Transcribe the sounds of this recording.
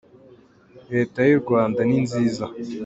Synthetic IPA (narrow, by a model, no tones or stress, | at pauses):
ɾe̞ːtajiɾɡwaːndaninziːza